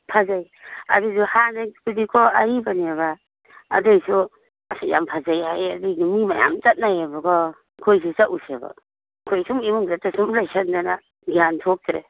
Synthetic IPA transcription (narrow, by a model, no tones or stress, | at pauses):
pʰazaj | a̰duzuhanapidikʰɔaɾibaniaβa̰ː | dɯjsu | asaja̰mpʰazajajadɯɡimimaja̰mt͡ʃat̚najabakʰɔ | kʰojs̬isaʔusaba̰ | kʰojsuŋimuŋdatasumlajsandana | ɡiantʰok̚tɾḛ